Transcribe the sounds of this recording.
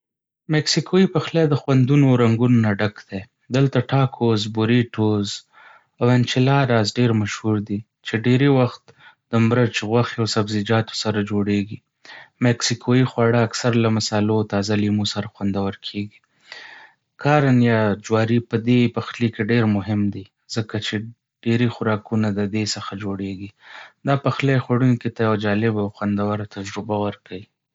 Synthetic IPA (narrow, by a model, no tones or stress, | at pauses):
mɛksikʰoipaxled̪əxwand̪unoɾaŋɡunonaɖakd̪̥e | d̪əlt̪aʈɑkʰozbʊɾiʈoz | awant͡ʃɪlɑɾɑzɖeɾmaʃhuɾd̪i | t͡ʃeɖeɾewaxt̪d̪̥əmɾat͡ʃɣwaxeawsabzɪd͡ʒɑt̪o̥saɾad͡ʒoɽeɡi | mɛksikʰoixwaɽəːksaɾlamasɑlot̪ɑzalimusaɾaxwand̪awəɾkʰeɡi | kʰɑɾanjɑd͡ʒwɑɾipəd̪epaxlikeɖeɾmʊɦɪmd̪i | zəkat͡ʃe | ɖ̥eɾixʊɾɑkunad̪əd̪esəxad͡ʒoɽeɡid̪ɑpaxlajxwaɽunkit̪ajawad͡ʒɑlɪbawxwand̪awaɾat̪ad͡ʒɾɪbawəɾkʰawi